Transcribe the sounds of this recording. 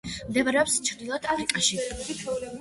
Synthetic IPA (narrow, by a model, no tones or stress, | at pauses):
md̪ɛvɾɛɔpst͡ʃʰɾd̪ilˠɔd̪ʰafɾiqʼaʃi